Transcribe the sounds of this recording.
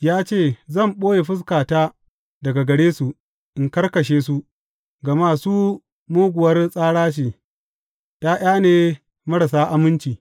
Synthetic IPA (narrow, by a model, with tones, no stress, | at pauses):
jaː˦t͡ʃeː˦˨zɐ˦˨mɓoː˦je˨ɸɪ˦s̬kaː˨taː˦ | dɐ˨ɡa˨ɡɐ˨ɽeː˦su˨ | ʔɪ˨ŋkɐ˦rkɐ˨ʃ̬eː˦su˦ | ɡɐ˨ma˦suː˦ | moː˦ɡʷʊ˨wɐ˦rsʼaː˦ɽaː˦ʃ̬eː˨ | taː˦ʔʲj̰aː˦neː˨ | mɐ˦ɽɐ˨s̬aː˦ʔa˨mʊ˦nt͡ʃiː˨